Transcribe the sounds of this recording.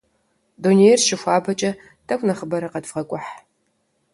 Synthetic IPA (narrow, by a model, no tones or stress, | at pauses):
duneːjɛrʃɪxʷaːbɐt͡ʃʼɐ | tʰɐkʷʰʼnɐχəbɐɾɐqɐdfʁɐkʷʼʊħ